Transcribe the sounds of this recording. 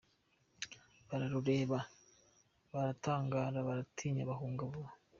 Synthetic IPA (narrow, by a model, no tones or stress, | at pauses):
βaɾaɾuɾe̞ːβa | βaɾataːŋɡaːɾaβaɾatʰiːɲaβaɦuːŋɡaβuβa